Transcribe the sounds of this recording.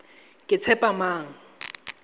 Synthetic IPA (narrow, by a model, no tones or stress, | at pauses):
kʼɪt͡sʰɛpʼamaːŋ̩